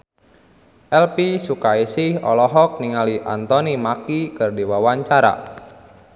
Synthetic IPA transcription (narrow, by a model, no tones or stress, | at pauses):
ʔɛlpisukaisɪhɔ̰lɔɦɔk̚niŋaliʔa̰nt̪ɔnimakikɨrdiwawaɲt͡ʃaɾa̰